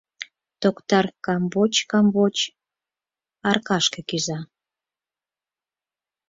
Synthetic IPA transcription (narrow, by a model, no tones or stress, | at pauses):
t̪okt̪ɑrkɑmbot͡ɕkɑmbot͡ɕ | ɑrkɑʃkĕkyzɑ